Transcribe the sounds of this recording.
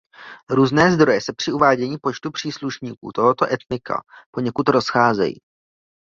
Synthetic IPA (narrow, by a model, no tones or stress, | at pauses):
ɾuːznɛːzd̪ɾo̞jɛsɛpr̝̥ɪuvaːɟɛɲiːpo̞t͡ʃt̪upr̝̥iːsluʃɲiːkṵːt̪oɦot̪o̞ʔɛt̪nɪka̰po̞ɲɛkut̪ɾo̞sxaːzɛ̰jḭː